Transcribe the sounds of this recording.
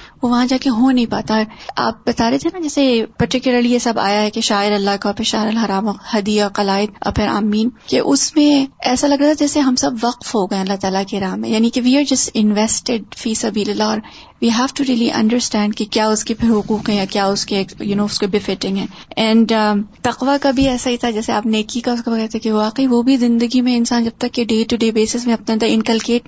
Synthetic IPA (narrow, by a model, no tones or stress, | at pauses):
ʋoʋɐɦãd͡ʒaːkeɦonɐɦĩpaːt̪aɦɛa̰ːp̚bɐt̪aːɾet̪ʰenad͡ʒɛːsepɐɾʈɪkjʊləɾlijesɐba̰ːjaɦɛkeʃaːɪɾɐlːakapʰɪɾʃaːɪɾɐlɦɐɾaːmɔhɐd̪iaqɐlaːɪd̪ʔɐ̰pʰɪɾa̰ːmiːnkeʔʊsmẽɛːsalɐɡɾaːt̪ʰad͡ʒɛːseɦɐmsɐbʋɐqfɦoɡɐẽɐlːat̪aːlakeɾaːmːḛ̃jaːnikeʋiːaːɾd͡ʒɐsʈɪ̃nʋɛsʈɪɖ̚fiːsɐbiːlɪlːaɔːɾ | ʋiːɦɛːʋʈuɾiːəliʔɐ̰̃ɳɖəɾsʈɛ̃ːɳɖkekjaːʊskepʰɪɾɦʊquːqɦɛ̃jakjaːʊskeːkjunoːʊskebɪfɪʈɪ̃ŋɡɦɛ̃ːɛ̃ːɳɖt̪ɐqʋakabʱiɛːsaɦit̪ʰad͡ʒɛːseaːpneːkikaʊskabɐɣɛɾt̪ʰekeʋaːqeiʋobʱizɪ̃nd̪əɡimẽɪ̃nsaːnd͡ʒɐb̚t̪ɐkːeɖeːʈuɖeːbeːsɪsmẽɐp̚nẽɐ̃nd̪əɾɪ̃ŋkəlkeːʈ̚